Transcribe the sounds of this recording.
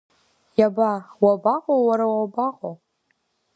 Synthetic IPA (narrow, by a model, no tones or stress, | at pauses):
jabawabaqʼowaɾawabaqʼo